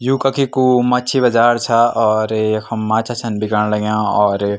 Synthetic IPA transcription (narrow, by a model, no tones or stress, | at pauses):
jukəkʰikumɐt͡ʃʰibɐd͡ʒaːɾt͡ʃʰaɔːɾjekʰəmːat͡ʃʰat͡ʃʰənbikaɽ̃ləɡjãɔːɾ